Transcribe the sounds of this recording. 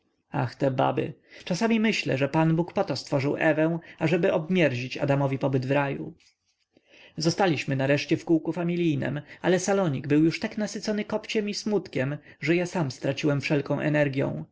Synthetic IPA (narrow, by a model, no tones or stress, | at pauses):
a̰xt̪ɛba̰bɘ̰t͡ʂasamʲimɘɕlɛ̰ʐɛpanbukpɔt̪ɔst̪fɔʐɘwʔɛvɛ̃w̃aʐɛbɘɔbmʲjɛɾʑit͡ɕa̰d̪amɔvʲipɔbɘd̪vɾajṵ | zɔst̪alʲiɕmɘnaɾɛʂt͡ɕɛfkuwkufamʲilʲijnɛ̰malɛsalɔɲiɡbɘwjuʂt̪aknasɘt̪sɔnɘkɔpt͡ɕɛmismut̪kʲɛm | ʐɛjasamst̪ɾat͡ɕiwɛmfʂɛlkɔ̃w̃ʔɛ̰nɛɾɡʲjɔ̰̃w̃